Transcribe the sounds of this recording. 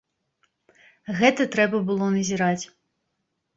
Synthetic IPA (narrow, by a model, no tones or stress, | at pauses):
ɣɛt̪ɐt̪ɾɛbɐbɨlˠɔnɐzʲiɾat͡sʲ